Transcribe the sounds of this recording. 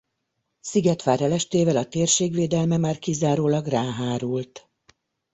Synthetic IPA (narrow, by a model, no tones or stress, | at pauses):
siɡɛt̪ʋaːɾɛlɛʃt̪eːvɛlɒt̪eːrʃeːɡʋeːd̪ɛlmɛmaːrkizaːɾoːlɒɡraːɦaːɾult̪